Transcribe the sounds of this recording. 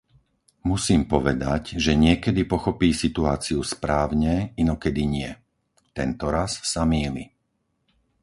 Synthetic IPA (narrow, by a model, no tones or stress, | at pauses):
musiːmpɔʋɛd̪aɟʒɛɲɪɛkɛd̪ipɔxɔpiːsit̪uaːt͡siuspɾaːʊɲɛinɔkɛd̪iɲɪɛ | t̪ɛnt̪ɔɾassːamiːlḭ